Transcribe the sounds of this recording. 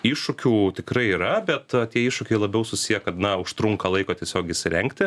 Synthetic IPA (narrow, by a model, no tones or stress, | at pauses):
iːʃʊkʲuːt̪ʲɪkɾɐɪiːɾɐbʲɛt̪t̪ʲiɛiːʃʊkʲɛɪlˠɐbʲɛʊsʊsʲijɛkɐt̪nɐʊʃt̪ɾʊŋkɐlˠɐɪkoːt̪ʲiɛsʲoːkʲɪʃʲsʲɪɾʲɛŋʲkt̪ʲɪ